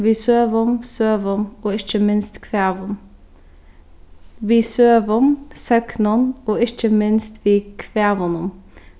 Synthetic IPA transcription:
ʋiːsøːʋɔmsøːʋɔmoːɪçəmɪnst̪kʰʋeːʋɔm | ʋiːsøːʋɔmsøknənoːɪçəmɪnst̪ʰʋiːkʰʋeːʋɔnʊm

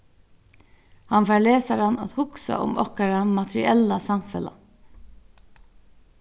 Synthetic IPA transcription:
hanfæːleːsaɾana̰t̪hʊksa̰ʔʊ̰mɔhkaɾamat̪ɾɪ̰ɛlasamfɛla̰

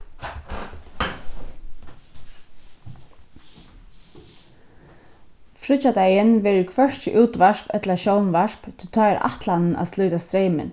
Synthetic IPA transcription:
fɾʏt͡ʃːad̪ɛjɪnʋɛːɾɪkʰvœʂt͡ɕɪʔuːt̪ʋaʂpɛt̪laʃɔwnʋaʃpt̪ʰɪlt̪ʰɑːɛɾʔa̰ht̪lanɪna̰ðslʏːt̪ast̪ɾeɪmɪ̰n

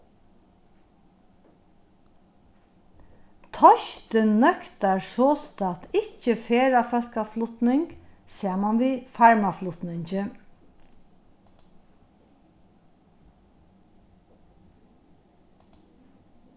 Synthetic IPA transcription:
t̪ʰɔʃt̪ənːœkt̪aɹsɔːst̪at̪ɪt͡ʃːəfeːɾafœlkaflʊt̪nɪŋksaːmanʋiːfaɹmaflʊt̪nɪɲt͡ʃɪ

